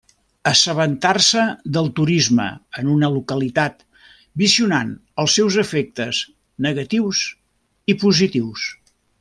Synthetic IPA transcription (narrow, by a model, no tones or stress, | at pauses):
əsəβənt̪arsəd̪əlˠt̪uɾizmə̰ənunəlukəlit̪at̪ | biziunanəlˠsːɛwzəfek̚t̪əz | nəɣət̪iwz | ipuzit̪iws